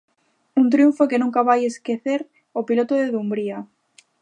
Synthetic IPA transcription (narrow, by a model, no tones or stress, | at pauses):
unt̪ɾjuɱfokenũŋkaβajeskeθeɾ | opilot̪oðeðumbɾia